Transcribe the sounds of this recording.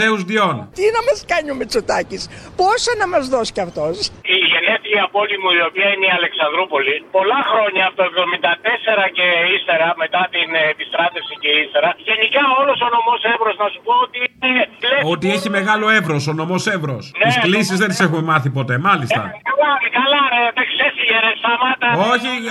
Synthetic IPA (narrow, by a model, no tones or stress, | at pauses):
e̞uzðio̞nt̪inɐmɐskɐɲumet͡sot̪ɐcisposɐnɐmɐzðo̞scɐft̪o̞siʝe̞neθiiɐpo̞limuio̞piɐineiɐle̞ksɐnd̪ɾupo̞lipo̞lɐxɾo̞ɲɐːft̪oevðo̞mind̪ɐt̪e̞se̞ɾɐceist̪e̞ɾɐme̞t̪ɐt̪inepist̪ɾɐt̪e̞fsiceist̪e̞ɾɐʝe̞nikɐo̞lo̞sono̞mo̞sevɾo̞znɐsupo̞ot̪ieleo̞t̪ieçime̞ɣɐlo̞e̞vɾo̞sono̞mo̞se̞vɾo̞snisklisizðent̪ise̞xumemɐθipo̞t̪e̞mɐlist̪ɐ̰kɐlɐkɐlɐet̪eksesiʝeɾesɐmɐt̪ɐoçi